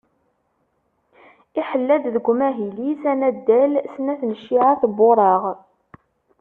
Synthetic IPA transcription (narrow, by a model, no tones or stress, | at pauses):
iħəlːæd̪ðəɡʷmæɦilisænæd̪ːælsənæθnəʃːiʕaθboɾˤɑʁ